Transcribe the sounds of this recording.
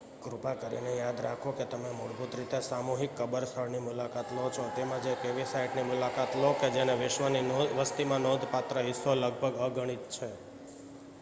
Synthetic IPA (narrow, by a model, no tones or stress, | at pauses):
kɾupakəɾḭnejad̪ɾakʰoket̪əmemuɽbʱut̪ɾit̪esamuɦikːəbəɾsʰəɭnimʊlakat̪lɦot͡ʃʰõt̪emãd͡ʒekeʋisaɪʈnimʊlakat̪loked͡ʒeneʋɪʃʋəninʋəst̪imãnod̪ʱpat̪ɾəɦɪsoləɡ̚bʱəɡəɡəɽ̃it̪̚t͡ʃʰe